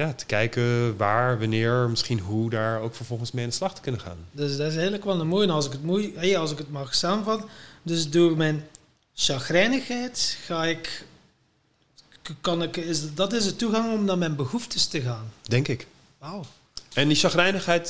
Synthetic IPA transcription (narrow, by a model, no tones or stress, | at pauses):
jaːtə̥kɛjkəʋaːɹʋanɪːɹmɪsχinɦudaːɹowkfəɹvɔlˠχənsmɛjandəslɑχtə̥kɵnəχa̰ːndøsdɪs̬ɦɪːrləkʋɛlˠəmoːjɛnɑlsɪkətmujɛjɑlˠsɪkətmɑxsaːmənvɑtəndɵsduɪkmɛjn | ʃɑxrɛjnəxɛjtxaːɪk | kɑnɪkɪsdɑtɪzdətuɣɑŋɔmnaːmɛjnbəhuftəstəɣaːndɛŋkɪk | waw | ɛndisɑxrɛjnəχɛjt